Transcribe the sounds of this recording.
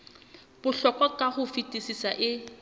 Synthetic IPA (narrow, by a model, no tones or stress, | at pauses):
b̥ʊɬɔkʼwakʼahʊfitʼisisaʔɪ